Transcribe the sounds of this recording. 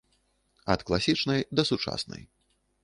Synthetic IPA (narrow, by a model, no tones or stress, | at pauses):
ɐt̪klˠasʲit͡ʂnɐjd̪ɐsut͡ʂa̰snɐ̰j